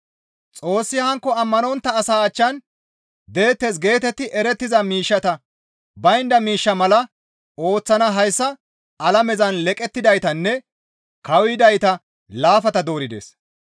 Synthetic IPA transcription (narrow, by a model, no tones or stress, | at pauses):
t͡sʼo̞ːsːɪhɐŋkːɔɐmːɐnɔnt̪ːɐːsaːt͡ʃːɐn | d̪e̞ːt̪ːes̬ɡe̞ːt̪ɛt̪ːɪʔɛɾɛt̪ːɪzɐmiːʃːɐt̪ɐ | bɐjnd̪ɐmiːʃːɐmɐlɐ | o̞ːt͡sːɐnɐɦɐjsːɐ | ɐlɐmɛzɐnlɛkʼɛt̪ːɪd̪ɐjt̪ɐnːɛ | kɐwɪd̪ɐjt̪ɐ | laːfɐt̪ɐd̪o̞ːɾɪd̪ḛːs